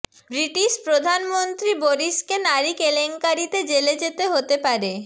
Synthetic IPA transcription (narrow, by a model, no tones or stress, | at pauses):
bɾiʈiʃpɾod̪ʱanmont̪ɾiboɾiʃkenaɾikeleŋkaɾit̪ed͡ʑeled͡ʑet̪eɦot̪epaɾe